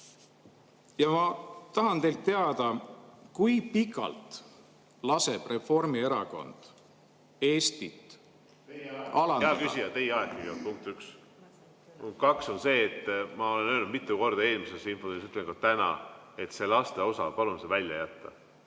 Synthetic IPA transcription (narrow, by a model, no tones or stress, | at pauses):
jɑmɑt̪ɑɦɑnt̪e̞jlt̪ːe̞ɑd̪̥ɑkujpikːˑɑ̰lt̪ | lɑse̞b̥re̞fo̞rmie̞ɾɑko̞̰nd̪̥ | e̞ːst̪it̪ˑ | ɑlɑɑːkysiɑt̪e̞jeɑekːyiot̪puŋk̚t̪yks | uŋkɑkso̞nse̞ːt̪ːmɑo̞le̞nøːlnud̪mit̪ːˑuko̞rd̪ɑe̞ːlmisesinfounisyt̪leŋkɑt̪ænɑ̰e̞t̪se̞lɑst̪e̞o̞sɑ̰pɑlunsevælʲjɑ̰jæt̪ːɑ